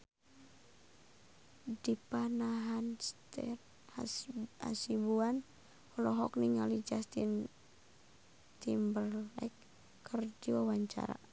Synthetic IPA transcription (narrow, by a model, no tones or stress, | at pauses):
dipanaɦanst̪ɛ̰r | a̰sibuan | hɔlɔɦɔk̚niŋalid͡ʒast̪in | t̪imbərlɛ̰kː | ərd͡ʒiwawaɲt͡ʃa̰ɾa̰